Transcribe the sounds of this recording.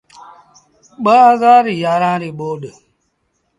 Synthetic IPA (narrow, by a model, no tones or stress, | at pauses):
ɓaazaːɾijaːɾãːɾiɓoːɗ